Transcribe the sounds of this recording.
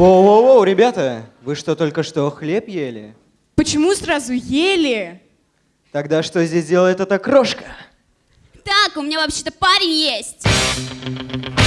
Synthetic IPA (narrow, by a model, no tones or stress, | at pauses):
owoowɾʲɪbʲat̪əvɨʂt̪ot̪o̞lʲkəʂt̪o̞xlʲepjelʲɪ̰ | pət͡ɕɪmusrazʊjelʲɪ | t̪ɐɡd̪aʂt̪o̞zʲdʲesʲdʲe̞lˠəjɪt̪ɛt̪əkɾoʂkə̥ | t̪akʊmʲɪnʲavɐpɕːet̪əpaɾʲɪjesʲtʲ